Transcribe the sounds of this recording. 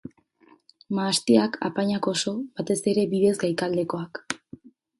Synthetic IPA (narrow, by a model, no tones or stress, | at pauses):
maːst̪iaka̰paɲako̞so̞βat̪e̞se̞ɾe̞βiðe̞zɡajkald̪e̞ko̞ak